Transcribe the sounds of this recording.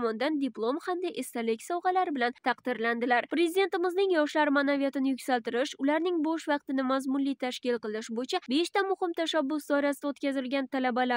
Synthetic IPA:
mɒnd̪and̪iplˠo̞mhamd̪aʔest̪alɪkʲsɒwʁɑlaɾɪbɪlant̪ʰɑqd̪ɪɾland̪ɪlaɾpɾezid̪e̞nt̪ɪmɪznɪŋjɒʃlaɾɪmanavijat̪ɪnɪjʊkʲsalˠt̪ɪɾɪʃʊlaɾnɪŋboʃvɑq̚t̪ɪnɪmazmʊnlijt̪ʰaʃkʲɪlˠqɨlˠnɪʃbojt͡ʃʰabe̞ʃt̪amʊhɪmt̪ʰaʃabːʊsd̪ɒɾasɪd̪aot̪kʲazɪlɡʲant̪ʰalabala

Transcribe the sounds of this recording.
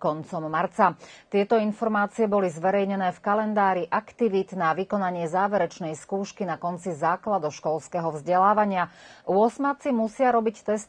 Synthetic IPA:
kɔnt͡sɔmːaɾt͡sat̪ɪɛt̪ɔinfɔɾmaːt͡siɛbɔlizʋɛɾɛjɲɛnɛːfkalɛnd̪aːɾiʔakt̪iʋid̪naʋikɔnaɲɪɛzaːʋɛɾɛt͡ʃnɛjskuːʃkinakɔnt͡sizaːklad̪ɔʃkɔlskɛɦɔvzɟɛlaːʋaɲɪaʊɔsmat͡simusɪaɾɔbict̪ɛst̪

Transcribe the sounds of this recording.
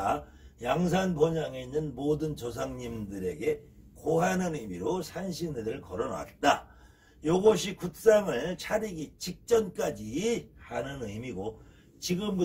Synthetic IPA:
jaŋs̬ʰanpoɲaŋe̞inːɯnmodɯnt͡ɕos̬ʰaŋɲimdɯɾe̞̰ɡe̞koɦanɯnɯimiɾosʰanɕʰinɯɾɯɭkʌɾʌnwa̰t̚t͈a | joɡʌɕʰikuk̚s͈aŋɯɭt͡ɕʰaɾiɡit͡ɕik̚t͡ɕ͈ʌnk͈ad͡ʑihanɯnɯimiɡo | t͡ɕiɡɯmbu

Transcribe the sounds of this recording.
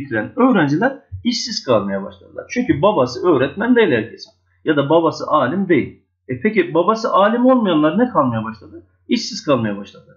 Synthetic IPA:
t̪ʰiɾænøːɾænd͡ʒilʲæɾiʃsiz̥kʰalˠmajabaʃlˠad̪ɯlˠa̰ɾt͡ʃʰyɲcybabasɯøːɾɛt̪mænd̪ejilʲhæɾcʰesin | jad̪ababasɯ̰ʔaːlʲimd̪ejḭlʲ | ɛpʰecibabasɯʔaːlʲimo̞lˠmajanlˠaɾnɛkʰalˠmajabaʃlˠad̪ɯ | iʃsiz̥kʰalˠmajabaʃlˠad̪ɯlˠaɾ

